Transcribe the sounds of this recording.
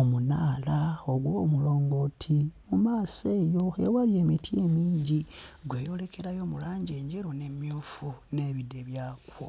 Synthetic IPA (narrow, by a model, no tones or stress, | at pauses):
omunaːlaoɡwomulo̞ːŋɡo̞tʰimumaːseːjo̞e̞̰walje̞ːmitʰie̞miːɲɟiɡwe̞ːjo̞ːle̞kʰe̞ɾajo̞ːmulaːɲɟe̞ːɲɟeɾone̞mjuːfune̞βideβjaːkwo̰